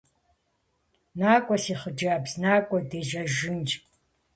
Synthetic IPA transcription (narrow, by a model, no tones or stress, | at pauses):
naːkʷʼɔsiːχəd͡ʒaːbsnaːkʷʼɔdeːʒɐʒɪnt͡ʃʼ